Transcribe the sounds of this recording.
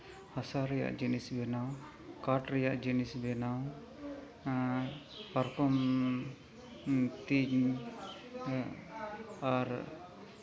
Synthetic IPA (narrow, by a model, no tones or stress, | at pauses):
hasaɾɛja̰ʔd͡ʒinisbɛnaw | kaʈɾɛjaʔd͡ʒinisbɛnaw | paɾkɔm | t̪iɲ | aɾ